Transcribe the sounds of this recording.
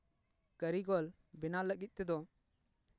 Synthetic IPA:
kəɾiɡɔl | bɪnaləɡit̪̚ˀt̪ɛd̪ɔ

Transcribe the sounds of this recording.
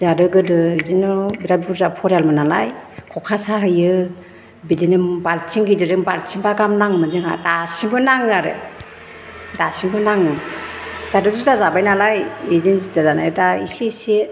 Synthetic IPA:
zadɯɡɯdɯidinɯbiɾabuɾzapʰɔɾjalmɯnala̰jkʰɔkʰasaɦɯjɯ | bidinɯmbaɾt͡ʃʰiŋɡidɯɾɯmbaɾt͡ʃʰiŋbaɡamnaŋmɯnzɯŋa̰dasiŋbɯnaŋɯaɾɯ̰ | dasiŋbɯnaŋɯ | z̥adɔzitazabajnalajezensitazana̰jɯdaisese

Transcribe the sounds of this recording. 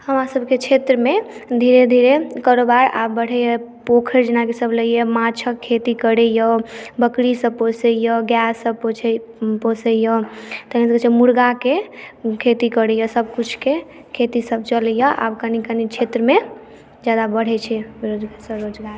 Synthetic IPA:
həmɾasəbʱket͡ʃʰet̪ɾəmed̪ʱiɾed̪ʱiɾekəɾobaɾa̰bbəɽ̤ɛjəpokʰəɾd͡ʒenakesəbləjɛmat͡ʃʰəkʰːet̪ikəɽɛjəbəkɽisəposəjəɡjɛsːəbpo | posəjət̪əɦnisəket͡ʃʰɛmuɾɡakekʰet̪ikəɽɛjəsəbkut͡ʃʰke | kʰet̪isəbt͡ʃəlɛjəʔa̰bkənikənit͡ʃʰet̪ɾəme | d͡ʒad̪abəɽ̤ɛt͡ʃʰɛbiɾod͡ʒɡaɾsə̃ɾod͡ʒɡaɾ

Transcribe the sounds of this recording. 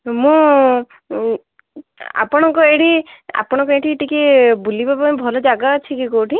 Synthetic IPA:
mũ | a̰pɔɽ̃ɔŋkɔeɽia̰pɔɽ̃ɔ̃kɔeʈʰiʈikibulibabãbʱɔlɔd͡ʒaɡaːt͡ʃʰikikoʈʰi

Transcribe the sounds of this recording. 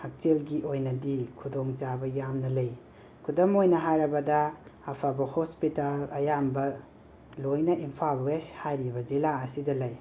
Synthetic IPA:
hak̚t͡ʃelɡiʔojnɐdikʰudɔŋt͡ʃabɐjamnɐlɐj | kʰudɐmojnɐɦajɾɐbɐdɐːpʰabɐhospitalɐjambɐ | lojnɐʔimpʰalweshajɾibɐd͡ʒilaɐsidɐlɐj

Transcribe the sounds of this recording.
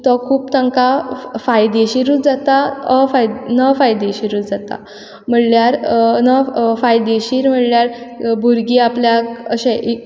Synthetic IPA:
t̪ɔkʰuːpt̪əŋkafajd̪eɕiɾud͡zat̪aəfaj̪nəfajd̪eɕiɾud͡zat̪a̰ | m̤əɽljaɾnəfajd̪eɕiːɾm̤əɽljaɾbʱuɾɡiːapljaəɕẽʔi

